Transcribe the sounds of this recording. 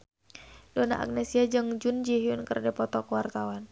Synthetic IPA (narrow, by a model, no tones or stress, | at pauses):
dɔna̰ʔa̰k̚nɛsiad͡ʒɨŋd͡ʒund͡ʒiɦiunkərdɛpɔt̪ɔkuwart̪awan